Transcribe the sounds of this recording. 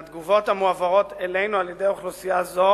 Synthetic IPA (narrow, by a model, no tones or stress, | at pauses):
at̪ɡuvo̞t̪hamuavaʁo̞t̪ele̞jnualjed̪e̞joχlusijazo